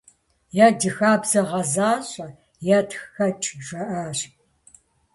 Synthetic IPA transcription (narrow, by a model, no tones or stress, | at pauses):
jaːdɨxaːbz̥ɐʁɐzaːɕʼɐ | jaːtxxɐt͡ʃʼʒʷɐʔaːɕ